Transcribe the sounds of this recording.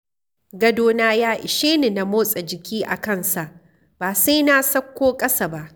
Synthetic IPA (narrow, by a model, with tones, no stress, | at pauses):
ɡɐ˦doː˦naː˦jaː˦ʔɪ˨ʃeː˦ni˨na˨moː˦sʼɐ˨d͡ʒɪ˨kʲiː˦ʔa̰˨kɐ˦˨nsa˨ʔ | b̥aː˨sa˦jna˦sɐ˦kʷːoː˦kʼɐ˦sa˨ba˦ʔ